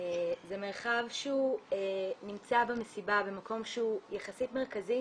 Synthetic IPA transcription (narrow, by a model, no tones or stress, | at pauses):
ezeme̞ʁχavʃeuenimt͡sabemesibabe̞mako̞mʃeujeχasitmeʁkazi